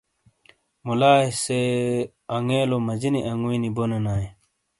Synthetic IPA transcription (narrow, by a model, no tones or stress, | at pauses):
mulaːse | ɐŋeːlomɐd͡ʑiniʔɐŋuwinibonenaːje